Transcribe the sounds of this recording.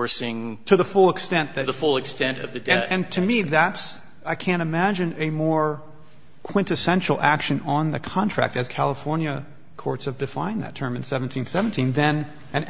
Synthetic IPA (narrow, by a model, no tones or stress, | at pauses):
ɹsɪ̃ŋtʰɨðəfʊlˠəkstɛ̃nðɨðəfʊlˠɨkstɛ̃ntʌ̰vðɨdɨ̃nɨ̃ntʰɨmiðæts | aɪkʰæ̃nɾ̃ɨmæd͡ʒɨ̃nɨmɔɹ | kʰw̥ɪ̃ntɨsɛ̃nʃl̩ˠækʃɨ̃nə̃nðɨkʰɑ̃ntʰɹ̥æ̰k̚tɨz̥kʰælˠəfɔɹnjɨ | kʰɔɹtshɨvdɨfã̰ɪ̃nðɨ̰tʰɜ̃˞mɨ̃nsɛṽn̩tʰĩnsɛvn̩tʰĩnðɨ̃n | ʔɨ̃n